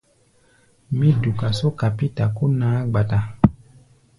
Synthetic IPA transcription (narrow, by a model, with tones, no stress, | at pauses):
mĩ˦du˨ka˨so˦ka˨pi˦ta˨ku˦naː˦ɡ͡ba˨ta˨